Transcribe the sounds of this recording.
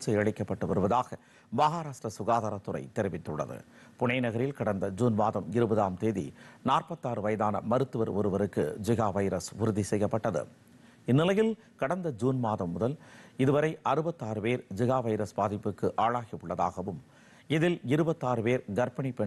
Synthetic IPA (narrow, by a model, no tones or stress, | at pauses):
t͡ʃɐɪɐɻɪkːɐpːɐʈːɯʋɐɾɯʋɐðaːɣɐ | baːɣaɾaːʂʈrɐsʊɣaːðaːɾɐt̪ːʊɾɐ̰ɪt̪ɛɾɪʋɪt̪ːɯɽːɐ̰ðɯ̰ | pʊɳɐɪnɐɣɐɾɪlkɐɽɐnd̪ɐd͡ʒuːnmaːðɐmɪɾɯbɐðaːmt̪eːðḭnaːrpɐt̪ːaːɾɯʋɐjɐðaːnɐ̰mɐɾɯt̪ːɯʋɐɾɔɾɯʋɐɾɯkːɯ̰d͡ʒɪɣaːʋɐɪɾɐsʊɾʊðisɛjɐpːɐʈːɐðɯ̰ | ɪnːɪlɐjɪl | kɐɽɐnd̪ɐd͡ʒuːnmaːðɐmːʊðɐlɪðɯʋɐɾɐɪʔɐɾɯbɐt̪ːaːɾɯpeːɾd͡ʒɪɣaːʋɐɪɾɐsbaːðɪpːɯkːɯʔaːɻaːɣɪʊɭːɐða̰ːɣɐʋɯm | ɪðɪlɪɾɯbɐt̪ːaːɾɯpeːɾɡɐɾpɐɳipɛ